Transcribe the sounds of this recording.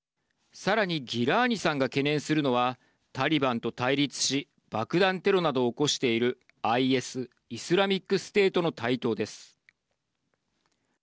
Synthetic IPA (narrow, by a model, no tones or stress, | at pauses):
saɾaɲ̟iɡʲiɾaːɲ̟isãŋɡake̞nẽ̞ɰ̃sɨɾɯ̟no̞β̞a | t̪aɾʲibãnt̪o̞t̪aiɾʲit͡sɨ̥ɕi | b̥akɯ̟d̪ãnt̪e̞ɾo̞nad̪o̞ːko̞ɕi̥t̪e̞iɾɯ̟ | aie̞sɨ | isɨɾamʲikːɯ̟sɨ̥t̪e̞ːt̪o̞not̪ait̪o̞ːd̪e̞sɨ̥